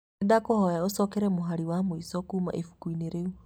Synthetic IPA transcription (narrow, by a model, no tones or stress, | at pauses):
edakohɔjaosɔkɛɾɛmoɦaɾiwamwisɔkuma̰ʔefu̥kwineɾeu